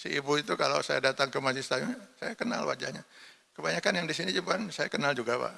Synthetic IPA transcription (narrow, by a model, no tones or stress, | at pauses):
sḭibuit̪ukalo̰wsajadat̪aŋkəmasɪst̪ajʊŋɲsajakəna̰lwa̰d͡ʒahɲa | kəbaɲakanjaŋdisinid͡ʒubansaja̰kənald͡ʒuɡapa̰ʔ